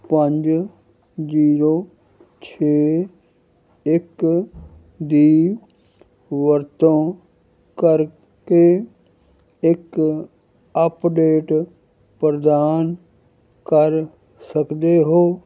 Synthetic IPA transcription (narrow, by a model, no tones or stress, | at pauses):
pəɲd͡ʒ | ziːɾoː | t͡ʃʰeː | ɪk | d̪iː | ʋəɾt̪õː | kəɾ | keː | ɪk | əpɖeːʈ | pɾəd̪aːn | kəɾ | səkd̪eːɦoː